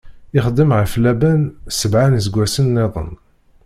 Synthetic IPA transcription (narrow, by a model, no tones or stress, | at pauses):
ɪχəd̪ːəmʕəflæbænsəbʕanizəɡʷːæsənːeðˤə̰n